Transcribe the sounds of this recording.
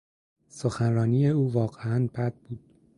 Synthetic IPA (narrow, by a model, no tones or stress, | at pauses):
soxænrɒːniːjeuːvɒːɢeænbæd̪̥̚b̥uːd̪̥